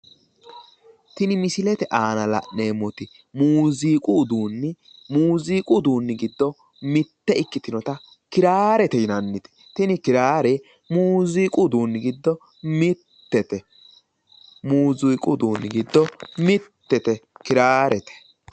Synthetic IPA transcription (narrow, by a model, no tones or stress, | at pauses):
t̪ɪnɪmɪsɪlɛt̪ɛʔaːnɐlɐ̰ʔe̞ːmɔt̪ɪ | muːziːkʼʊːd̪uːnːɪ | muːziːkʼʊd̪uːnːɪɡɪd̪ːɔ | mɪt̪ːɛɪkːɪt̪ɪnɔt̪ɐ | kɪɾaːɾɛt̪ɛjɪnɐnːɪt̪ɛ̥ | t̪ɪnɪkɪɾaːɾe | muːziːkʼʊd̪uːnːɪɡɪd̪ːɔ | mɪt̪ːɛt̪ɛ | muːzujkʼʊd̪uːnːɪɡɪd̪ːɔmɪt̪ːɛt̪ɛkɪɾaːɾɛt̪ɛ̥